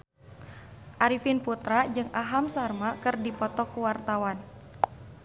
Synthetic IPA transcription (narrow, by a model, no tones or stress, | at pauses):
ʔaɾifinput̪ɾad͡ʒɨŋaɦamsarmakɨrdipɔt̪ɔkuwart̪awan